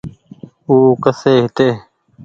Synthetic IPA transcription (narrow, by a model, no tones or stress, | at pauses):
uːkəseːɦɪt̪eː